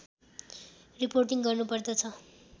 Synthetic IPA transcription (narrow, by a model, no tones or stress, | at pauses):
riporʈiŋɡʌrnupʌrd̪ʌt͡sʰʌ